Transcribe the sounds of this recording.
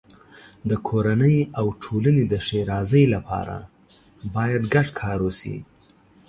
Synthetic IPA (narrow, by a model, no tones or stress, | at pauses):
d̪əkʰoɾanəjawʈʰolaned̪əʃeɾɑzəjlapʰɑ̰ɾa̰ | bɑjad̪ɡaʈkʰɑɾosḭ